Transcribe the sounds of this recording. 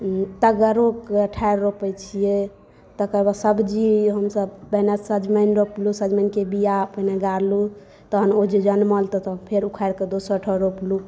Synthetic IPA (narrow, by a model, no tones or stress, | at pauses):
t̪əɡəɾokəʈʰaeɾɾopət͡ʃʰije | t̪əkəɾbasəbd͡ʒiɦəmsəbbənasəd͡ʒmənɾoplusəd͡ʒmənkebijapə̃neɡaɾlu | t̪əɦənod͡ʒid͡ʒənməlt̪ɔt̪ɔpʰeɾukʰaɾked̪osəʈʰɔɾoplu